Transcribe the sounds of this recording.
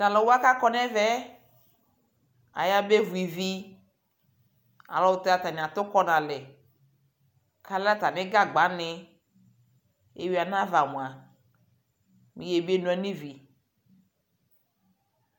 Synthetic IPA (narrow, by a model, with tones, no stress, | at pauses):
ta˨lɔ˨˦wo˦a˦ka˦kɔ˦nɛ̃˦vɛ˦ | a̰˨ja˦be˦vu˨i˨vi˦ | a̰˨lɔ˨˦wʊ˦t̪e˦a˨t̪a˨ɲ̃˨ã˨t̪ʊ˦kɔ˦nã˨lɛ˨ | ka˦la˦t̪a˨nɪ̃˦ɡa˦ɡ͡ba˨˦nɪ˨ | ḛ˦wi˦a˨nã˦va˨m̃˨a˨ | mĩ˨je˨be˦nũ˨˦ɛ˨˦nĩ˦vi˨